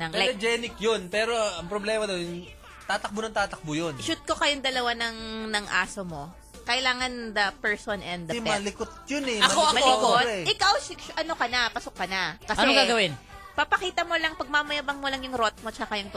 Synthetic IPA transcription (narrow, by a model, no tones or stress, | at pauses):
nɐŋlajɐd͡ʒɛnɪk̚jonpɛːɾoɐŋpɾoblɛːmɐd̪ɐwn | t̪aːt̪ɐk̚bʊnɐŋt̪aːt̪ɐk̚bʊjonʃut̪̚kokɐjoŋd̪ɐlɐwanɐŋnɐŋʔa̰ːsomo̞ | kɐʔɪlaːŋɐnd̪ɐpɛɹsonʔɛnd̪ɐmɐlɪkot̪̚jonɛɐkoɐmɐllɪkotɛʔɪkawʃɪʔɐno̞kɐnɐpɐsokːɐnɐkɐsɛɡaɡɐwɪnpɐpɐkiːt̪ɐmolɐŋpɐɡ̚mamɐjabɐŋmolɐŋjʊŋɾot̪̚mot͡ʃɐkajʊŋt̪